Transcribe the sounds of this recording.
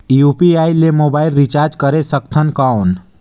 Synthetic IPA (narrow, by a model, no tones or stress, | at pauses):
iupiaːilːemobaːɪlɾit͡ʃaɾd͡ʒkəɾesəkt̪ʰənkaʊn